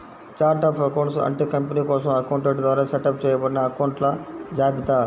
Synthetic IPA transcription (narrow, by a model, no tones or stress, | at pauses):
t͡ʃaːɾʈaːpʰɐkɐwɳʈsɐ̰ɳʈikɐmpɐniːkɔːsɐ̃mɐkɐwɳʈeɖd̪ʋaːɾaːseʈɐp̚t͡ʃɛːjɐbɐɽinɐɐkɐwɳʈlɐd͡ʒaːbit̪aː